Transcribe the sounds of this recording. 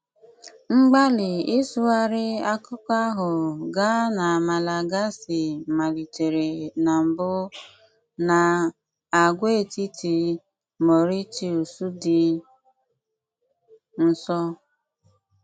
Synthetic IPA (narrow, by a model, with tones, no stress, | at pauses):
ŋ͡m̩˦ɡ͡ba˦lɪ˨i˦su˦a˦ɾɪ˦a˦kʊ˦kʷa˦ɦʊ˨ɡa˦na˨ma˨la˨ɡa˦sɪ˨ma˨li˨te˨ɾe˨na˨m̩˨bʊ˦ | na˨ | a˨ɡʷe˦e˨ti˦ti˨ | mo˨ɾi˦ti˨o˨su˦dɪ˦ | n̩˦sɔ˦